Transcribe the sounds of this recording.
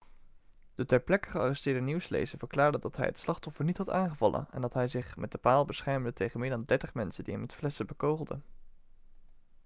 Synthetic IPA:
d̥ətɛɹplɛkə̥χəɑrɛstɪːɹdəniwslḛjzəɹv̥əɹklaːɹdədɑtɦɛ̰jɦə̰tslɑχtɔfəɹnitɦɑtaːŋχəvɑlˠə̰nɛ̰ndɑtɦɛjzɪχmɛt̚dəpaːlˠbəsχɛɹmdətejχənmɪːɹdɑndɛɹtəχmɛnsəndiɦɛmɛtflɛsəbəkowχlˠdə̰n

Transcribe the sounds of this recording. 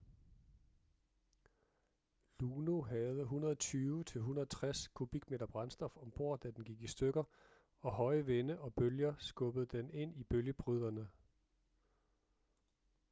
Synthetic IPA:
luːno̝ɦɛðˠəɦunɐðˠɒt͡sʰyːʊt͡sʰe̝lɦunɐɐt͡sʰʁaskʰub̥iɡ̥me̝̰ːd̥ɐb̥ʁɑ̈nsd̥ɒ̽fɒ̽mb̥o̝ɐ̰̥æd̥enɡ̥iɡ̥isd̥øɡ̥ɐ | ɒ̽hɒ̽ɪəʋenəʔɒ̽b̥øljɐsɡ̥ɔ̽b̥əð̞̩ˠd̥ene̝n̰ib̥øljəb̥ʁyð̞̰ˠɐnə

